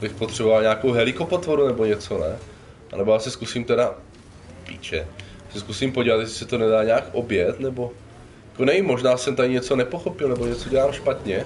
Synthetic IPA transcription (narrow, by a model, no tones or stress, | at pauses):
bɪxpot̪r̥ɛbo̞valɲaːkowɦɛlɪko̞pot̪voɾunɛboɲɛt͡sonɛ | ʔa̰nɛbo̞jaːsɛskusiːmt̪ɛda | pḭːt͡ʃɛ | sɛskusiːmpoɟiːvat̪jɛsɪ̥sɛt̪o̞nɛdaːɲɛaːkʔo̞bjɛt̪nɛbo̞ | jjakonɛɲimo̞ʒnaːsɛmt̪aɾɪɲɛt͡so̞nɛpoxo̞pɪlnɛboɲɛt͡so̞ɟɛlaːmʃpat̪ɲɛ